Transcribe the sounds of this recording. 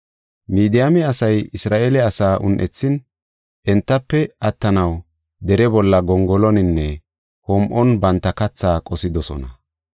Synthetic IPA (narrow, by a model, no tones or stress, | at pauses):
miːd̪ɪjamɛɐsɐjɪsɾaːʔɛlɛɐsaːʔʊnʔɛt͡sːɪn | ʔɛnt̪ːɐpːɛɐt̪ːɐnɐw | d̪ɛɾɛbɔlːɐɡɔŋɡɔlɔnɪnːɛ | hɔmʔɔnbɐnt̪ːɐkɐt͡sːaːkʼɔsɪd̪ɔsɔ̰nɐ